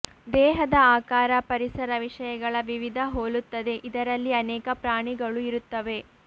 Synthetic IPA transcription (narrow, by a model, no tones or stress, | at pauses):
d̪ɛːɦɐd̪ɐaːkaːɾɐpɐɾisɐɾɐʋiʂɐjɐɡɐɭɐʋiʋid̪ʱɐɦoːlut̪ːɐd̪e̞ʔid̪ɐɾɐlːiɐnɛːkɐpɾaːɳiɡɐɭuiɾut̪ːɐʋe̞